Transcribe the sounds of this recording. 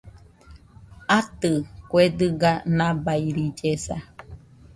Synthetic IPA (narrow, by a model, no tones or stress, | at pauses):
at̪ɨkʷed̪ɨɡanãbaiɾid͡ʒesa̰